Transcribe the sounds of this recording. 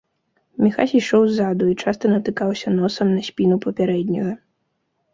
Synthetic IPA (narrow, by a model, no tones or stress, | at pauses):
mʲixasʲiʂɔwzad̪uit͡ʂast̪ɐnɐt̪ɨkawsʲɐnɔsɐmnɐsʲpʲinupɐpʲaɾɛd̪ʲnʲɐɣɐ